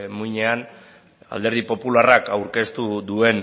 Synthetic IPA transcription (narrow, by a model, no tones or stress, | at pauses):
muɲe̞an | a̰ld̪e̞ɾð̞ipo̞pularakawɾke̞st̪uðue̞n